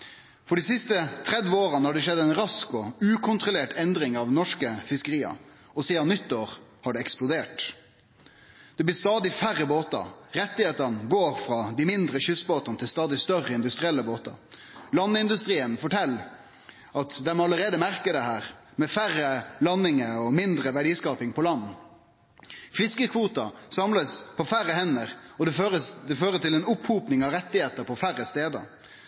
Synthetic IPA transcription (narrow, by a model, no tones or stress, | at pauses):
fɔɖisɪst̪ət̪ʰɾɛd̪ʋəoːɾənəhɑɖɛʂɛd̪ːæɪnɾɑskɔʉːkʰʊnt̪ɾʊleːʈɛnd̪ɾɪŋɑʋnɔʂkəfɪskəɾiːɑ̰ | ɔsiːd̪ɑnʏt̪ːoːɾhɑɖɛɛksplʊd̪eːʈ | d̪̥ɛblɪːst̪ɑːd̪ɪfæɾːəboːt̪ɑ̰ɾɛt̪ːɪheːt̪ənəɡoːɾfɾɑd̪ɪmɪnd̪ɾəçʏsboːt̪ɑnət̪ʰɪlst̪ɑːd̪ɪst̪œrəɪnd̪ʉst̪ɾɪɛlːəboːt̪ɑ̰ | lɑnːɪnd̪ʉst̪ɾiːənfɔʈʰɛlː | ɑt̪d̪ɛmɔɑləɾeːd̪əmæɾkəd̪ɛhæːɾ | mɛfærəlɑnːɪŋəɔmɪnd̪ɾəʋæɖiːskɑːpɪŋpʰɔlɑnː | fɪskəkʰʋuːt̪ɑsɑmləspʰɔfæɾəhɛnːəɾɔd̪ɛøɾəd̪ɛføːɾət̪ɪlɛnʊphuːpnɪŋɑʋɾɛt̪ːɪheːt̪əɾpʰɔfæɾəst̪eːd̪ə̰